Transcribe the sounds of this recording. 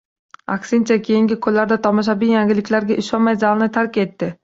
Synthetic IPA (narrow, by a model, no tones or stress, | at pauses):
a̰kʲsɪnt͡ʃʰakʲʰejɪŋɡʲɪkʰɵlːaɾd̪at̪ʰɒmɒʃ̬abijaŋɡʲɪlɪkʲlaɾɡʲaʔɪʃɒnmajzalˠnɪt̪ʰaɾkʲe̞t̪ːɪ